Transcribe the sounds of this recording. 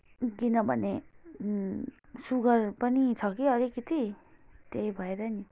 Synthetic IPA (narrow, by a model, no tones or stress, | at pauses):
ɡinʌbʱʌ̰ne | suɡʌrpʌnit͡sʰʌkiʌɾikit̪it̪eibʱʌeɾʌni